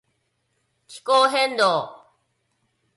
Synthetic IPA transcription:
kʰi̥koɦend̪o

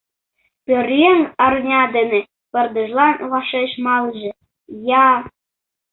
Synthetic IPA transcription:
pʲøɾjeŋɑrnʲɑd̪ene | pə̆rd̪ə̆ʒlɑnβɑʃeʃmɑlʒĕ | jɑ

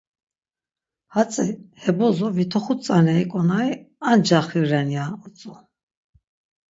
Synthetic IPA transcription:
hat͡sʼihɛbɔzɔvit̪ʰɔχut͡sʼanɛikʼɔnaiand͡ʒaχiɾɛnjaɔt͡sʼu

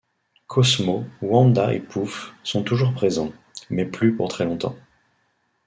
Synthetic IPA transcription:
kʰɔsmowɑ̃d̪aʔḛpufsɔ̃t̪uʒuʁpχezɑ̃ | mɛplypuʁt̪χɛlɔ̃t̪ɑ̰̃

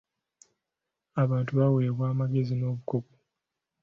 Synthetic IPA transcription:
aβaːntuβaweːβwaːmaɡe̞zinoːβuko̞ko

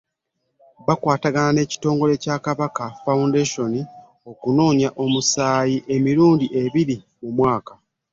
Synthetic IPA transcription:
βakwaːtaɡanane̞ːci̥to̞ːŋɡo̞le̞caːkaβakafaundeʃo̞ni | o̞kuno̞ːɲaʔo̞musaːjiʔe̞miɾuːndiʔe̞βiɾi | mumwaːka

